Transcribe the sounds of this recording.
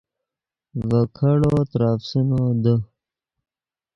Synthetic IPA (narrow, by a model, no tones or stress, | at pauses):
vəkʰəɽoːt̪ɾaːfsinoːd̪ə